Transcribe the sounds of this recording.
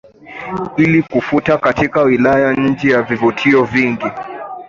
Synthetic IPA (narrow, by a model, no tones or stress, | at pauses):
ilikufutakatikawilajaɲ̩d͡ʒɛjavivutʰiɔviŋɡi